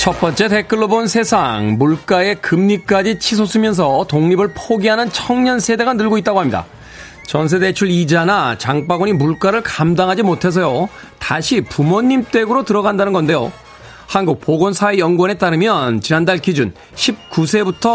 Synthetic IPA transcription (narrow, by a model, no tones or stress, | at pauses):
t͡ɕʰʌp͈ʌnt͡ɕ͈e̞te̞k͈ɯɭːobonsʰe̞sʰaŋmuɭk͈ae̞kɯmɲik͈ad͡ʑit͡ɕʰis̬ʰosʰɯmjʌns̬ʰʌtoŋɲibɯɭpʰoɡiɦanɯnt͡ɕʰʌŋɲʌnsʰe̞de̞ɡanɯɭɡoit͈̚aɡohamɲida̰ | t͡ɕʌns̬ʰe̞de̞t͡ɕʰuɭid͡ʑanat͡ɕaŋp͈aɡoɲimuɭk͈aɾɯɭkamdaŋɦad͡ʑimotʰe̞s̬ʰʌjo | taɕʰipumoɲːimt͈e̞ɡɯɾotɯɾʌɡandanɯnɡʌnde̞jo̰ | hanɡuk̚p͈oɡonsʰaejʌnɡwʌnɦe̞t͈aɾɯmjʌnt͡ɕinandaɭkid͡ʑun | ɕʰip̚k͈usʰe̞butʰʌ